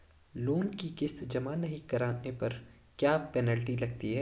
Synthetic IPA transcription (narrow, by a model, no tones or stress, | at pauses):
loːnkikɪsd͡ʒɐmaːnɐɦĩkɐɾaːnepɐɾ | kjaːpɛnəlʈilɐɡ̚t̪iɦɛː